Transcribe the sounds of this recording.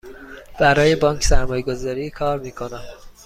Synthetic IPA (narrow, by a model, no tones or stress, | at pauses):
b̥æɾɒːjebɒːŋcʰsæɾmɒːjeɡo̞zɒːɾiːkʰɒːɾmiːkʰo̞næm